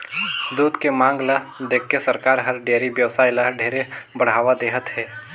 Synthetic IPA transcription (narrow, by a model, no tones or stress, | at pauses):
d̪uːd̪kemãːŋɡlad̪eːkʰːesɐɾkaːɾɦɐɾɖeːɾiʋjəʋsaːilaɖʱeːɾebəɽ̤aːʋad̪eːɦət̪ɦɛː